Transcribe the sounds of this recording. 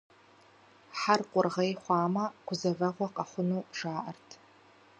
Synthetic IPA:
ħarqʷʼʊrʁɐjχʷɑːmɐɡʷʊzɐvɐʁʷɔqʼaχʷʊnuːʐaːʔɐrtʰ

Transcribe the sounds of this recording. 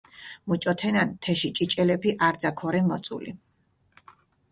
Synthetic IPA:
mut͡ʃʼɔt̪ʰɛnant̪ʰɛʃit͡ʃʼit͡ʃʼɛlɛpʰiʔaɾd̪zakʰɔɾɛmɔt̪sʼṵlḭ

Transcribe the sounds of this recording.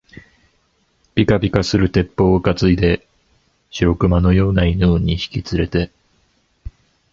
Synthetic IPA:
b̥ʲikabʲikasɨɾɯ̟t̪e̞pːo̞ːɯkat͡sɨid̪e̞ | ɕiɾo̞kɯ̟mano̞jo̞ːnainɯːɲ̟içi̥kʲit͡sɨɾe̞t̪e̞

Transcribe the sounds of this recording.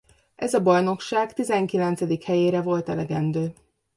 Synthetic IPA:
ʔɛzɒbɒjno̞kʃaːkt̪izɛŋkilɛnt̪sɛd̪ikhɛjeːɾɛvo̞lt̪ɛlɛɡɛnd̪øː

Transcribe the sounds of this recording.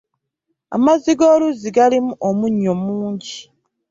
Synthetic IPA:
a̰maziɡoːluziɡalimuʔomuɲːomuːɲɟi

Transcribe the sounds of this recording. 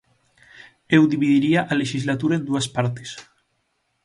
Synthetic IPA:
ewd̪iβiðiɾiaʔaleʃizlat̪uɾaend̪uaspaɾt̪es

